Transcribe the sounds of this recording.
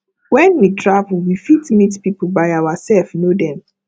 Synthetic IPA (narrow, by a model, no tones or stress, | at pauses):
wɛ̃nwitʰɹavl̩wifitmitpip̩bajawasɛlfnodɛ̃m